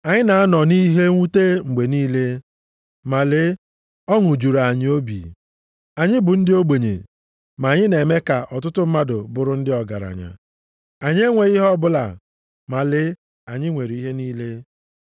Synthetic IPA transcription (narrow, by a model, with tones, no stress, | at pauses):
a˨ɲɪ˦na˨a˦nɔ˨ni˦ɦe˦ŋʷu˦te˦ŋ͡m̩˨ɡ͡be˨niː˦le˦ | ma˨lɪ˦ | ɔ˦ŋʊ˨d͡ʒu˨ɾa˨ɲɪ˦o˦bḭ˨ | a˨ɲɪ˦bʊ˨n̩˦dɪ˦o˦ɡ͡be˨ɲḛ˨ | ma˨ɲɪ˦ne˨me˦ka˨ʔɔ˨tʊ˦tʊ˦m̩˦ma˦dʊ˨bʊ˨ɾʊ˦n̩˦dɪ˦ɔ˨ɡa̰˨ɾa̰˨ɲa̰˨ | a˨ɲe˦ŋʷe˨ɣi˦ɦɔ˦bʊ˦la̰˨ | ma˨lɪ˦ | a˨ɲɪ˦ŋʷe˨ɾi˨i˦ɦe˦niː˦le˦